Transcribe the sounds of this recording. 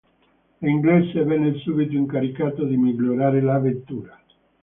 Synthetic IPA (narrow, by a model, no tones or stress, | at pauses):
iŋɡlɛsavɛnːeilsubit̪oiŋkaɾikaːt̪od̪imiɡloɾaːɾelavent̪uːɾa